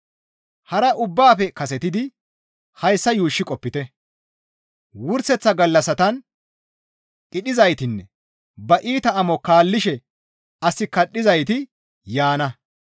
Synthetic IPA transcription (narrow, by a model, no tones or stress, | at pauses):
hɐɾɐʔʊbːaːfɛkɐsɛt̪ɪd̪ɪ | hɐjsːɐjuːʃːɪkʼɔpːɪt̪ɛ | wʊɾsɛt͡sːɐɡɐlːɐsɐt̪ɐn | kʼɪɗɪzɐjt̪ɪnːɛ | bɐʔiːt̪ɐɐmɔkaːlːɪʃɛ | ɐsːɪkɐɗːɪzɐjt̪ɪ | jaːnɐ